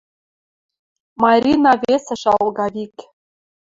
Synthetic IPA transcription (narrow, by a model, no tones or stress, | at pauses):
mɑɾʲinɑvʲesɘ̆ʃɑlˠɡɑvikʲ